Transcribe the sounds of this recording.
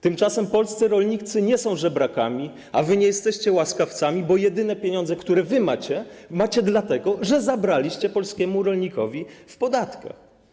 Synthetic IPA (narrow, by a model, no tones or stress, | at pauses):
t̪ɘmt͡ʂasɛmpɔlst̪sɘɾɔlɲit̪sɘɲɛsɔ̃w̃ʐɛbɾakamʲi | avɘɲɛjɛst̪ɛɕt͡ɕɛwaskaft̪samʲibɔjɛd̪ɘnɛpʲjeɲɔ̃nd̪zɛkt̪uɾɛvɘmat͡ɕɛmat͡ɕɛd̪lat̪ɛɡɔʐɛzabɾalʲiɕt͡ɕɛpɔlskʲɛmuɾɔlɲikɔvʲifpɔd̪at̪ka̰x